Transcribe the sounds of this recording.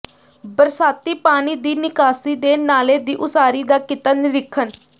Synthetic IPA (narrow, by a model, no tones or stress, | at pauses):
bəɾsaːt̪iːpaːniːd̪iːnɪkaːsiːd̪eːnaːleːd̪iːʔʊsaːɾiːd̪aːkɪt̪aːnɪɾɪkʰːən